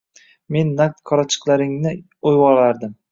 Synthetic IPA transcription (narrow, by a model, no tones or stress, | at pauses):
me̞nːakt̪kʰɒɾat͡ʃʰɨ̥qlˠaɾɪŋnɪ | ojwɒlaɾd̪ɪm